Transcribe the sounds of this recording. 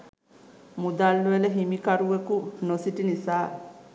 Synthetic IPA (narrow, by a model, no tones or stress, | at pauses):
mud̪aːlːuʋeleɦimikɐɾuʋekunosiʈinisaː